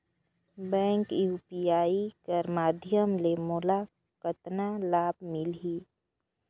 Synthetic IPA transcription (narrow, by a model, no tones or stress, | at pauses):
bɛ̃ːŋkjuːpijaːikəɾmaːd̪ʱjəmlemoːla | kət̪nalaːb̚mɪliː